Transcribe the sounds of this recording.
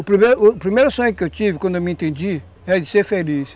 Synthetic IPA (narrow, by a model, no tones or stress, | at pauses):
ʊpɾimeɾʊpɾimejɾasõɲʊkɪewt͡ʃivɪkwɐ̃nd̪ʊewmɪẽnt̪ẽnd͡ʒi | ɛɾɐd͡ʒɪseɾfelis